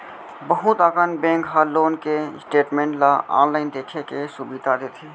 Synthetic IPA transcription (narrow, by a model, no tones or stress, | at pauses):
bəɦʊt̪aːkənbẽːŋkɦaloːnkesʈeːʈmẽːɳʈlaa̰ːnlaːɪnd̪eːkʰekesubid̪ad̪eːt̪ʰeː